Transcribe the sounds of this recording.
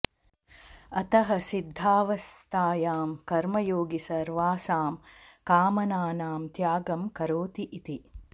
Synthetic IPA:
ɐt̪ɐɦɐsid̪ʱːaːʋɐst̪ʰaːjaːmkɐɾmɐjoːɡisɐɾʋaːsaːmkaːmɐnaːnaːmt̪jaːɡɐmkɐɾoːt̪iʔit̪i

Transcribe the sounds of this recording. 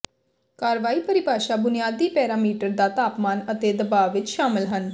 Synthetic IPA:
kaːɾʋaːiːpəɾɪpaːʃaːbʊnɪjaːd̪iːpɛːɾaːmiːʈəɾd̪aːt̪aːpmaːnət̪eːd̪əbaːʋɪt͡ʃʃaːmɪlɦən

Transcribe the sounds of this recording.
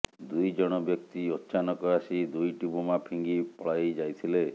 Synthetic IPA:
d̪ujd͡ʒɔɽ̃ɔbjɔk̚t̪iɔtːʃanɔkɔasid̪ujʈibumapʰiŋɡipɔɭajd͡ʒajt̪ʰile

